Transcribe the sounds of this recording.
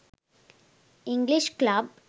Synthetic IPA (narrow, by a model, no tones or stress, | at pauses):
ɪŋɡliʃklab